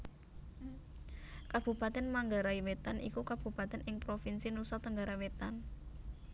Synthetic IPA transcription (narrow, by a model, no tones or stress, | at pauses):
kab̥ṳpat̪ɛnmaŋɡaɾaiwet̪anʔḭkukab̥ṳpat̪ɛnɪŋpɾofinsinusɔt̪əŋɡaɾawet̪an